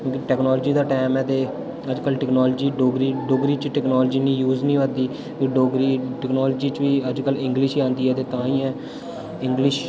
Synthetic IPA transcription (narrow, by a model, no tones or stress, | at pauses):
kʲjõːkiʈɛːknɔːlːd͡ʒiːd̪aːʈɛːmɛːt̪eː | əd͡ʒkəlʈɛknɔːld͡ʒiːɖoːɡɾiːɖoːɡɾiːt͡ʃʈɛːknɔːld͡ʒiːnĩːjuːznĩːʋəd̪iː | ʋiːɖoːɡɾiːʈɛknɔːlːd͡ʒiːt͡ʃʋiːəd͡ʒkəlɪ̃ŋɡlɪʃiːãːnd̪iːɦɛːt̪eːt̪ãːĩːɛː | ɪŋɡlɪʃ